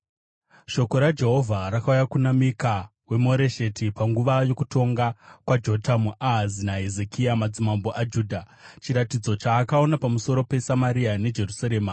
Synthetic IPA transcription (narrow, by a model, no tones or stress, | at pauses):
ʃo̞ko̞ɾad͡ʒe̞ɦo̞vʱaɾakaujakunamika | we̞moɾe̞ʃe̞tipaŋɡuʋajo̞kuto̞ŋɡakwad͡ʒo̞tamuʔaɦazinaɦe̞ze̞kʰiamad͡zimamboʔad͡ʒuːdʱa | t͡ʃiɾatid͡zo̞t͡ʃaːkao̞napamuso̞ɾo̞pe̞samaɾiane̞d͡ʒe̞rusaɾe̞ːma